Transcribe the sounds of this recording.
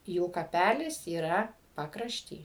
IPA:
juː kɐˈpʲælʲɪs iːˈrɐ pɐkrɐʃʲˈtʲiː

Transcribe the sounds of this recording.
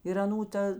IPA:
ɪr ɐˈnuː ˈtɐ

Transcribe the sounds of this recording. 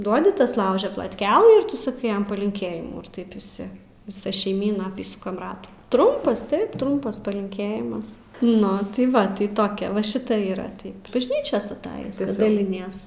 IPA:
ˈduɔdʲɪ ˈtɐs ˈlˠɐʊʒʲɛ plˠɐtʲˈkʲæːlˠɨ ɪr ˈtʊ sɐˈkɐɪ ˈjɛm pɐlʲɪŋʲˈkʲeːjɪmuː ɪr ˈtɐɪp ʋʲɪˈsʲɪ ʋʲɪˈsɐ ʃʲɛɪˈmʲiːnɐ ɐˈpʲiːsʊkɐm ˈrɑːtuː ˈtrʊmpɐs ˈtɐɪp ˈtrʊmpɐs pɐlʲɪŋʲˈkʲeːjɪmɐs ˈnʊ tɐɪ ˈʋɐ tɐɪ ˈtoːkʲɛ ʋɐ ˈʃʲɪtɐ ˈiːrɐ ˈtɐɪp bɐʒʲˈnʲiːt͡ʃʲoːs ɐtˈɑːjɪs dɐlʲɪˈnʲiɛs

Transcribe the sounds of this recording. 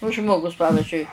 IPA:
oː ˈʒmoːɡʊs ˈpɑːʋʲɪzʲd͡ʒʲʊɪ

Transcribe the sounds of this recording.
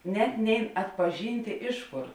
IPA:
ˈnʲɛt ˈnʲɛɪn ɐtpɐˈʒʲiːnʲtʲeː ˈɪʃ ˌkoːr

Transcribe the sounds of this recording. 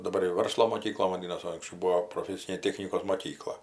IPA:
dɐˈbɐr jɛʊ ˈʋɐrslˠoː moːˈkʲiːklˠɐ ʋɐˈdʲiːnɐs oː ɐŋksʲˈt͡ʃʲɛʊ ˈbuːoː proːˈfʲæːsʲɪnʲeː ˈtʲæːxʲnʲɪkoːs moːˈkʲiːklˠɐ

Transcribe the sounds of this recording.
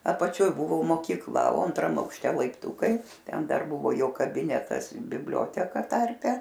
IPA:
ɐpɐˈt͡ʃʲoːj ˈbuːʋoː moːkʲiːkˈlˠɐ oː ɐntˈrɐm ɐʊkʃʲˈtʲɛ lˠɐɪpˈtuːkɐɪ ˈtʲɛn ˈdɐr ˈbuːʋoː ˈjoː kɐˈbʲɪnʲɛtɐs bʲɪbʲˈlʲoːtʲɛkɐ ˈtɐrʲpʲɛ

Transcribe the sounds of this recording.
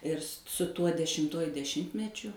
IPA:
ɪr s sʊ ˈtuɔ dʲɛʃʲɪmˈtuɔjʊ dʲɛˈʃʲɪmʲtʲmʲɛt͡ʃʲʊ

